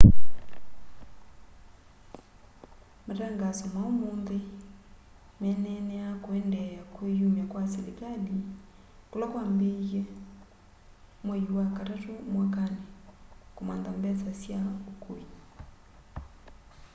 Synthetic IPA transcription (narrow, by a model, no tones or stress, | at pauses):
maɾɛŋɡasɔmaomoːnðe | mɛnɛnɛakoɛndɛakwejomakwaselekali | kolɔkwambeɣɛ | mwɛiwakatatomwakanekomandambɛsasjaokoi